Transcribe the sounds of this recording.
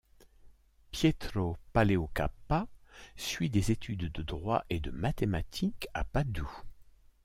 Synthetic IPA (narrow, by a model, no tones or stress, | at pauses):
pjet̪χopaleoka̰pasɥid̪ezet̪ʰyd̪d̪əd̪ʁwaʔed̪əmat̪emat̪ʰikapad̪u